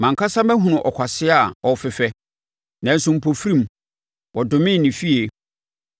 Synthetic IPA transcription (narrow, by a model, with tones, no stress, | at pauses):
mã˨ŋ˨kʰa˦sã˦mæ˦ɦũ˨nʊ̃˨ʔɔ˨kʰʷa˨sɪ˦a˨ɔ˨fɪ˨fɛ˦ | nã˨˦n̩˦sʊ̃˦m̩˨pʰo˨fɾĩ˦m | wʔɔ˨dʊ̃˨mɪ̃˦˨nːɪ̃˨fi˦e˨